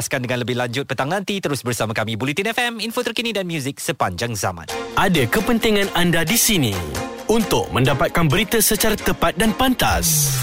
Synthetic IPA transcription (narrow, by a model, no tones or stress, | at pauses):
skandəŋãnləbɪɦlaɲd͡ʒʊt̪̚pət̪aŋnãnt̪it̪əɾʊsbərsamakamibulit̪inɛfɛminfot̪ərkinĩdanmjuzɪk̚səpaɲd͡ʒaŋza̰mã̰nʔadakəpənt̪iŋãnandadisinḭ̃ | unt̪ʊk̚mə̃ndapat̪̚kanbəɾit̪əsət͡ʃaɾat̪əpat̪̚danpant̪a̰s